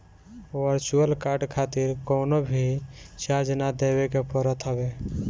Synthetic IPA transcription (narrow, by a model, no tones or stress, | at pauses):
ʋəɾt͡ʃuəlkaɾɖkʰat̪iɾkonobʱit͡ʃad͡ʒnad̪eβekepəɾət̪ɦəbe